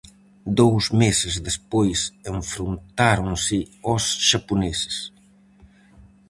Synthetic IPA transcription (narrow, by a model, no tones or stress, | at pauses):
d̪owzmesɪzd̪espojseɱfɾunt̪aɾoŋsɪɔsʃapunesɪ̥s